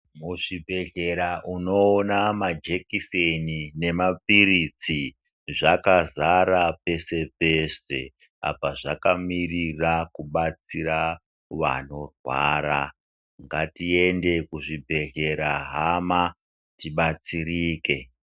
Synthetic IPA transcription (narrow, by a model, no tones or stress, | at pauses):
muʐibʱe̞ɮe̞ɾaʔuno̞ːnamad͡ʒe̞kisenine̞mapiɾit͡si | ʐakazaɾape̞se̞p̚e̞se̞̰ | a̰paʐakamirirakuɓat͡siɾa | ʋa̰no̞rwa̰ːɾa | ŋɡatie̞nde̞kuʐibʱe̞ɮe̞ɾaɦama | tiɓat͡siɾiːke̞